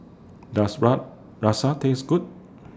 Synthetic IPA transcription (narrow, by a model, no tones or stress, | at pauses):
dasɹa | ɹasat̪ẽŋsɡut̚